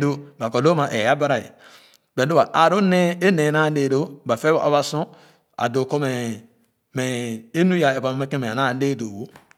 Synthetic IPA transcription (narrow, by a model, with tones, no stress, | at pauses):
do˦ba˨ko˨lo˦ma˨ʔe˨a˦ba˦ɾa˨ḛ˨ | be˨do˦ba˨ʔa˨ɾo˦ne˦e˦ne˨na˦ne˨do˦ba˨fe˦a̰˨βa˨sõ˦ | a̰˨do˨ko˦me˨ | me˨e˦nu˦ja˨e˨pa˨m˦me˦ke˦mẽ˨na˦˨˦de˦˨do˨wo˦